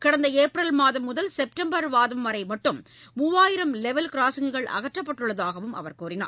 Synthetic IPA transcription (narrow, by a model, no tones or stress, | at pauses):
kɐɽɐnd̪ɐeːpɾɐlmaːðɐmːʊðɐlsɛp̚ʈɐmbɐɾʋaːðɐmʋɐɾɐɪmɐʈːɯmː | uːʋaːjɪɾɐmlɛʋɐlkɪɾaːsɐŋɡɯɣɐɭʔɐ̰ɣɐʈrɐpːɐʈːɯɭːɐðaːɣɐʋɯmʔɐ̰ʋɐɾkuːɾɪna̰ː